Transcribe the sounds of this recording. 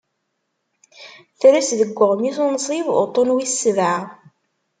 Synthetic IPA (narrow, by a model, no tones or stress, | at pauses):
θɾæsðəɡʷːəʁmiθunsˤivo̰t̪ˤːonwisːvaʕ